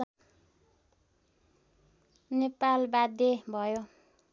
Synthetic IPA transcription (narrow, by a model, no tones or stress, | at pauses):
nepalbad̪jebʱʌjo